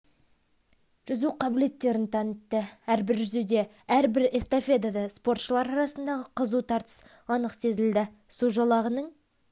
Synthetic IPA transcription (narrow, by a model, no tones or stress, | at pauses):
ʒ̥ʏzuqʰɑbɪle̞t̪ːe̞ɾɪnt̪ʰɑnət̪ːəæɾbɪɾʒʏzed̪e̞ | æɾbɪɾest̪o̞fʲe̞d̪ɑd̪ɑspo̞rt̪ʃəlˠɑɾɑɾɑsənd̪ɑʁəqʰəzut̪ʰɑɾt̪ə̥s | ɑnəqse̞zɪld̪ɪ | suʒɑlˠɑʁənəɴ